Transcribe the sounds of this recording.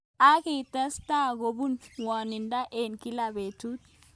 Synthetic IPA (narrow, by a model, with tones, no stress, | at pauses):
a˦ki˨ta˦sta˦ɡo˨bu˦nwa˨ni˨nda˦ʔe˨nki˦labe˨tut̚